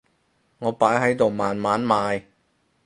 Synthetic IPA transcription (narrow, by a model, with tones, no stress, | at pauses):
ŋɔː˨˧paː˨˥jɦɐ˨˥jt̪o˨wmaː˨nmaː˨˥nmaː˨˧j